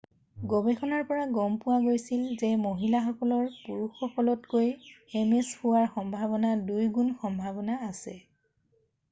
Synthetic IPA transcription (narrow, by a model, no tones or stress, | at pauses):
ɡobɛkʰɔnaɹpɔɹaɡɔmpʊwaɡojsilzɛmoɦilaxɔkɔlɔɹpuɹuxɔkɔlɔtkojɛmeshʊwaɹxɔmbʱaβɔnadujɡunxɔmbʱabɔnaːsɛ